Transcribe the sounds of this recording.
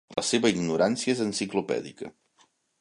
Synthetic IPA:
ləseβəiɡnuɾansiəezənsiklupɛ̰ðḭkə̰

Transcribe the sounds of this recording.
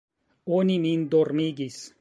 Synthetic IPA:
onimind̪oɾmiːɡis

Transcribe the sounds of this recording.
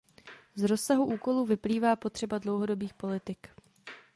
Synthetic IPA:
zɾo̞sːaɦuʔuːko̞luːvɪpliːvaːpo̞t̪r̝̥ɛbadlo̞wɦo̞do̞biːxpo̞lɪt̪ɪk

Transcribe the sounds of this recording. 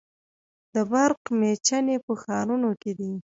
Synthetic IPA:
d̪əbaɾqmet͡ʃanepəxɑɾunoked̪i

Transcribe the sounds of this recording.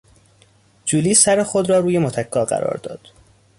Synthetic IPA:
d͡ʒuːliːsæɾexod̪ɾɒːɾuːje̞mot̪ʰækʰːɒːɢæ̰ɾɒ̰ːɾd̪ɒ̰ːd̪̥

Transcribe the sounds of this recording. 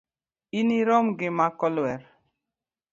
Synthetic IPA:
iniɾɔmɡɪmakɔlwɛɾ

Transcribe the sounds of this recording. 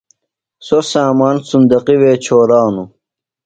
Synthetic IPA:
sosaːmaːnsund̪ɐqiweːt͡ɕʰoːɾaːnu

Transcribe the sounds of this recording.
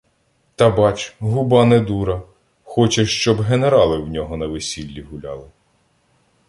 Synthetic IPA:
t̪ɐbɑt͡ʃɦʊbɑned̪uɾɐ | xɔt͡ʃeʃt͡ʃɔbɦeneɾɑlˠɪwnʲɔɦɔnɐʋesʲilʲːiɦʊlʲɑ̰lˠɪ

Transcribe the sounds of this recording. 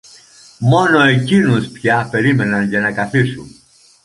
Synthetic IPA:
mo̞no̞ecinuspçɐpe̞ɾime̞nɐnʝɐnɐkɐθisun

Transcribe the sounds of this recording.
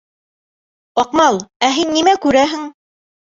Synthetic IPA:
ɑqmɑlˠæɦinːimækʉɾæɦɘŋ

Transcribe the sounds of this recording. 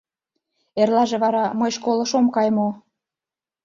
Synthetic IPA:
erlɑʒeβɑɾɑməjʃkolə̆ʃomkɑjmo

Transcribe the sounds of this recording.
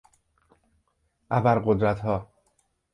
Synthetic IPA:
ʔæbæɾɢo̞d̪ɾæt̪ʰhɒː

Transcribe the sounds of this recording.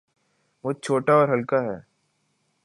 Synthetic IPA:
ʋoːt͡ʃʰoːʈaɔːɾɦɐlkaɦɛ̰ː

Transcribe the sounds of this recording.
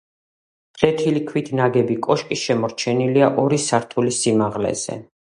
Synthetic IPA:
d̪ʼlɛt̪ʰilikʰwit̪ʰnaɡɛbikʼɔʃkʼiʃɛmɔɾt͡ʃʰɛniliaʔɔɾisaɾt̪ʰulisimaʁlɛ̰z̥ɛ̰

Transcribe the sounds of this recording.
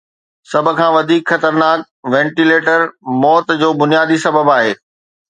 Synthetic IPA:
sɐbʱʊ̆kʰãːʋɐd̪ʱiːkxɐt̪əɾnaːk̚ | ʋɛ̃ːɳʈileːʈəɾmɔːt̪d͡ʑoːbʊnijaːd̪isɐbəbaːɦeː

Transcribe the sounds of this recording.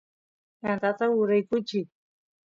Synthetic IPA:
jant̪at̪aʊɾajkʊt͡ʃi

